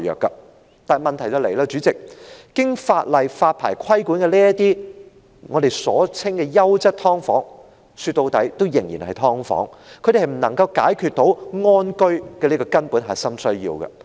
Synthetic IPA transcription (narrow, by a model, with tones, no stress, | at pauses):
jœ̰ː˨kːɐ˧ | t̪aː˨mɐ˨nt̪ʰɐ˨˩jt͡sɐ˨˧wle˨˩jlaː˧t͡ʃyː˨˥t͡sɪ˨k̚ː | ɪ˥ŋfaː˧t̚lɐ˨jfaː˧t̚pʰa̰ː˨˩jkʰɐ˥jkuː˨˥nkɛ˧liː˥ɐ˥t̪iː˥ | ŋɔː˨˧de˨jsɔː˨˥t͡sʰɪ˥ŋkɛː˧jɐ˥wt͡sɐ˥t̚t̪ʰɔː˥ŋfɔː˨˥ŋ | syː˧t̪ːo˧wt̪ɐ˨˥jt̪o˥wjɪ˨˩ŋjiː˨˩nhɐ˨jt̪ʰɔː˥ŋfɔ̰ː˨˥ŋkʰɵ˨˧tɾe˨hɐ˨jm̩˨˩nɐ˨˩ŋkɐ˧wkaː˨˥jkʰy˧t̚t̪o˨˥wŋɔː˥nkɵ˥ɥkɛː˧liː˥kɔː˧kɐ˥npuː˨˥nɦɐ˨˩jsɐ˥msɵ˥ɥjḭː˧wkɐ̰˧